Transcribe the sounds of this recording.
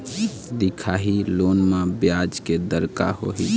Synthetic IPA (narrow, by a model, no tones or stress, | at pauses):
d̪ikʰaɦilonmãbjad͡ʒked̪əɾka̰ho̰ɦi